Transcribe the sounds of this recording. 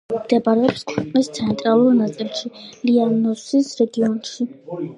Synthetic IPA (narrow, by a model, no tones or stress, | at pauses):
md̪̥ɛbaɾɛɔpskʰwɛqʼnist̪sʰɛnt̪ʼɾalˠuɾnat̪sʼilˠʃilianɔsisɾɛɡiɔnʃi